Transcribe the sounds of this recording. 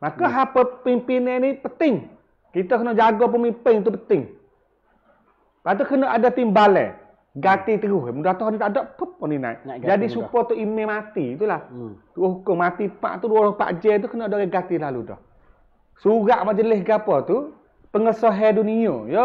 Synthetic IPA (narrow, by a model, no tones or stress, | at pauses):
makɔɦapəpimpinɛnipət̪ɪŋ | kit̪ɔkənɔʔd͡ʒaɡɔp̬əmimpɪŋt̪̬up̬ət̪ɪŋ | pat̪̬ukənɔʔadat̪imbalɛ̰ | ɡat̪it̪əɡʊhjmudat̪ɔɦɔnit̪aʔdɔʔkəp̚ɔnina̰iʔd͡ʒadisupɔt̪uʔimɛmat̪it̪ulaht̪əɡʊhɦukʊŋmat̪ipa̰ʔt̪uduɔɾɔpa̰ʔd͡ʒɛt̪ukənɔʔadɔɡɛɡat̪ilalṵdɔ̰h | suɣaʔmaʔd͡ʒəlɪsɡapɔt̪u | pəŋəsɔɦɛduniojɔ